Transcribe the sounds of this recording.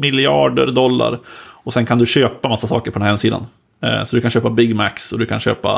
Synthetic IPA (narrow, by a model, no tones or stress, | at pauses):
mɪlɪɑːɖə̰ɾd̪ɔlːa̰ɾɔsɛnkʰand̪ɵɕøːpamasːasɑ̰ːkəɾpɔd̪ɛnhɛmsiːd̪a̰n | sɔd̪ɵkʰanɕøːpabɪɡmæksɔd̪ɵkʰanɕø̰ːpa̰